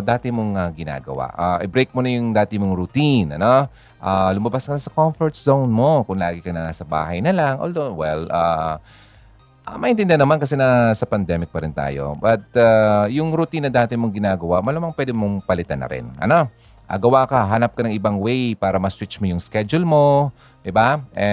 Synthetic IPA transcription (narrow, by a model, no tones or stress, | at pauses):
d̪aːt̪ɪmoŋɐɡɪna̰ːɡɐ̰wa̰ʔaʔɛbɾejk̚monɐjʊŋd̪aːt̪ɪmoŋɾʊt̪inʔɐ̰no̞ | ʔaːlʊmɐbaskɐnɐsɐkoɱfɔɹt̪̚sownmo̞kʊŋlaːɡɪkɐnɐnaːsɐba̰ːɦɐjnɐlaŋʔo̰ld̪owɛlʔaː | ʔɐmɐʔɪnt̪ɪnd̪ɪnɐmankɐsɛnɐsɐpɐnd̪ɛmɪk̚pɐɾɪnt̪a̰ːjo̞̰bɐt̪̚ajʊŋɾʊt̪inːɐd̪aːt̪ɪmoŋɡɪnaːɡɐwaʔmɐlamɐŋpwɛːd̪ɪmoŋpɐlɪt̪a̰nɐ̰ɾɪ̰nʔɐ̰no̞ | ʔɐ̰ɡɐwakɐɦanɐp̚kɐnɐŋʔɪbaŋwɛejpaːɾɐmɐswit͡ʃmojʊŋskɛd͡ʒʊlmo̞ | d̪ɪbaʔɛ